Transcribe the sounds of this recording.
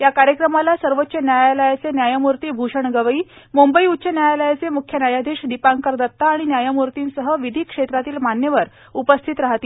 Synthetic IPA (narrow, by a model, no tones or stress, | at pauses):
jakaɾjəkɾəmalasəɾʋotːɕənjajaləjat͡senjajamuɾt̪iːbʱuɕəɳɡəʋəiːmumbəiutːɕənjajaləjat͡semukʰjənjajad̪ʱeɕd̪ipaŋkəɾd̪ət̪ːaːɽ̃injajamuɾt̪iːnsəɦəʋid̪ʱiːkʂet̪ɾat̪iːlmanjəʋəɾ | upəst̪ʰit̪ɾaɦt̪iː